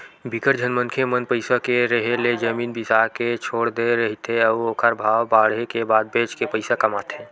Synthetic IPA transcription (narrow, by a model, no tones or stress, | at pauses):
bɪkəɾd͡ʒʱənmənkʰemənpəɪsakeɾəɦeled͡ʒəmiːnbɪsaːɾket͡ʃʰoːɽd̪eɾɐɦit̪ɦeɐʋoːkʰəɾbʱaːwbaːɽɦekebaːd̪̚beːt͡ʃkepəɪsakɐmaːt̪ɦẽː